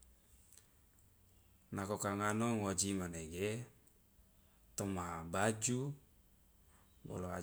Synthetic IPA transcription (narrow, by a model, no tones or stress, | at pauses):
nakokaŋanoŋod͡ʒimaneɡe | t̪ɔmabad͡ʒu | bɔ̰loa̰